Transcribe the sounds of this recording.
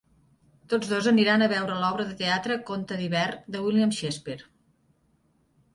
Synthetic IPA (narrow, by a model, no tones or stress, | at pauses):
t̪od͡zðozəniɾanəβɛwɾəlɔβɾəðət̪eat̪ɾəkont̪əðiβɛrd̪əwilˠiamʃespeɾ